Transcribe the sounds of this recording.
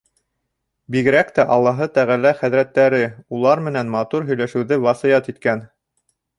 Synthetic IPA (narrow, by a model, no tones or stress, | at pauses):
biɡɘ̆ɾækt̪æʔɑlˠːɑɦɤt̪æʁælæχæðɾæt̪ːæɾɘulˠɑɾmɘ̆nænmɑt̪uɾɦɵ̆jlæʃɘ̆wðɘβɑsɤ̆jɑt̪it̪kæn